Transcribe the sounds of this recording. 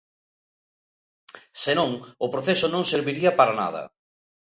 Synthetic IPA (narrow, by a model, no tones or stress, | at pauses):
senõŋʊpɾoθesʊnõŋseɾβiɾiɐpaɾana̰ð̞ɐ̰